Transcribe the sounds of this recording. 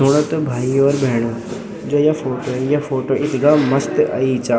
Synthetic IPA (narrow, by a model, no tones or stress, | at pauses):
oːɽ̃ət̪obʱaːiɔːɾbʱeːɽ̃o | d͡ʑoːjafoːʈojafoːʈoʔɪt̪ɡamɐst̪a̰it͡ɕaː